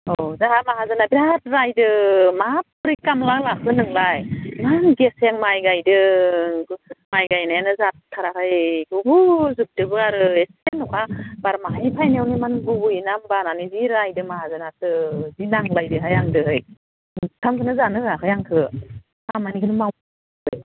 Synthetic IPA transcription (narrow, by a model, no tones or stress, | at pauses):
ozahamaɦazanabiɾat̚ɾajdɯmapɾikamlalakʰɯnɯŋlajmanɡesjaŋmajɡajdɯ | majɡajnajanɯzattʰːaɾakʰɯjɡɯbuzup̚dɯbɯaɾɯesenɔkʰabaɾmaɦajpʰajniawnimanɡubujnambananiziɾajdɯmaɦazanatɯzinaŋlajdɯɦajaŋdɯɦɯj | tʰamkʰɯnɯzanɯakʰɯjaŋkʰɯ | amanikʰɯnɯma | ɯj